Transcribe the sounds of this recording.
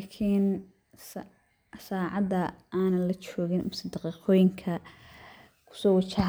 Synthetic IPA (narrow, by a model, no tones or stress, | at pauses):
lakʰiːn | s | saːʕɑd̪ɐaːnɐnlɐt͡ʃɔːɣɪnmʊsɪd̪ɑqiːqʰɔːjɪŋkʰɐ | kʰʊ̥sɔːwɑt͡ʃɐɦ